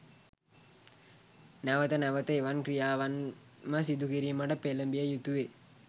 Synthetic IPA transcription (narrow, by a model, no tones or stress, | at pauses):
nɐʋɐt̪ɐnɐʋɐt̪ɐjʋɐnkɾijaːʋɐn | mɐsid̪ukiɾimɐɖɐpelɐmbijɐjut̪uʋe